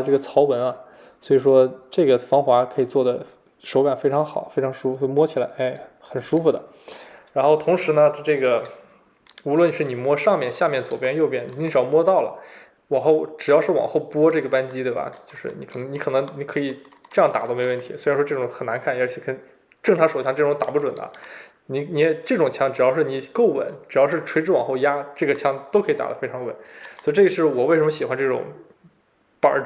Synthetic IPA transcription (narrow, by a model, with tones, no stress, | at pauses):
ʈ͡ʂɤ˥˩ɡə˩t͡sʰɑ˧˥ʊwə˧˥nɐ˧ | swɔ˧˥i˨˩ʂwɔ˥ʈ͡ʂɤ˥˩ɡə˩fɑ˥ŋxwa˧˥kʰɤ˧˥i˨˩t͡swɔ˥˩d̪ə˩ | ʂo˧˥ʊka˨˩nfe˥ɪʈ͡ʂʰɑ˧˥ŋxɑ˨˩˦fe˥ɪʈ͡ʂʰɑ˧˥ŋʂu˥fɔ˥i˥˩mwɔ˥t͡ɕʰi˨˩la˧˥ɪʔa˥˩ɪxə˨˩nʂu˥fu˧˩d̪ə̰˩ | ɻa˧˥nxo˥˩ʊt̪ʰʊ˧˥ŋʂɻ̩˧˥nə˧ʈ͡ʂɤ˥˩ɡə˩ | u˧˥lwə˥˧nʂɻ̩˥˩ni˨˩mwɔ˥ʂɑ˥˧ŋmjɛ˥˧nɕja˥˧mjɛ˥˩nt͡swɔ˨˩pjɛ˥njo˥˧ʊpjɛ˥˩n˨˩i˥ŋʈ͡ʂɻ̩˨˩ɑ˥˩mwɔ˥t̪ɑ˥˩ʊlə̰˩ | wɑ˨˩xo˥˩ʊʈ͡ʂɻ̩˨˩jɑ˥˧ʊʂɻ̩˥˩wɑ̰˨˩ŋxo˥˩ʊpwɔ˥ʈ͡ʂɤ˥˩ɡə˩pa˥nt͡ɕi˥t̪we˥˩bɐ̰˩t͡ɕjo˥˧ʊʂɻ̩˥˩ni˧˥kʰnɤ˧˥ŋni˧˥kʰɤ˨˩nɤ˧˥ŋni˧˥kʰɤ˧˥i˨˩ | ʈ͡ʂjɑ˥˩ŋt̪a˨˩t̪o˥me˧˥ɪwə˥˩nt̪ʰi˧˥swe˧˥ɻnʂwɔ˥ʈ͡ʂɤ˥˩ʈ͡ʂʊ˨˧˥ŋxə˨˩na˧˥nkʰa˥˩n˥˩t͡ɕʰɛ˧˩kə˧˥n | ʈ͡ʂɤ˥˩ŋʈ͡ʂʰɑ˧˥ŋʂo˨˩ʊɕjɑ˥˧ŋʈ͡ʂɤ˥˩ʈ͡ʂʊ˧˥ŋt̪a̰˨˩pu˥˩ʈ͡ʂwə̰˨˩nd̪ə̰˦ | ni˧˥ni˧˥ɛ˧˩ʈ͡ʂɤ˥˩ʈ͡ʂʊ˨˩ŋt͡ɕʰjɑ˥ŋʈ͡ʂɻ̩˨˩jɑ˥˧ʊʂɻ̩˥˩ni˨˩ko˥˩ʊwə̰˨˩˦nʈ͡ʂɻ̩˨˩jɑ˥˧ʊʂ̬ɻ̩˥˩ʈ͡ʂʰwe˥ɪʈ͡ʂɻ̩˥wɑ̰˨˩ŋxo˥˧ʊja˥ʈ͡ʂɤ˥˩ɡə˩t͡ɕʰjɑ˥ŋt̪o˥ʊkʰɤ˧˥i˧˥t̪a̰˨˩d̪ə˧˦fe˥ɪʈ͡ʂʰɑ˧˥ŋwə̰˧˩˦nswi˧ʈ͡ʂɤ˥˩ɡə˧ʂɻ̩˥˩wɔ˨˩we˥˩ɪʂə˧˥mə˧ɕi˨˩xwa˧˥nʈ͡ʂɤ˥˩ʈ͡ʂʊ̰˨˩˦ŋ | pə̰˨˧˥